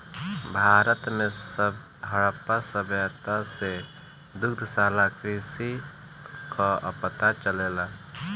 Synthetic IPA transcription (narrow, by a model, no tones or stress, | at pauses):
bʱaːɾət̪mẽsəb | ɦəɽpasəbjat̪ase | d̪ʊkd̪ʱsaːlakɾisi | kaʔəpət̪at͡ʃəleːlaː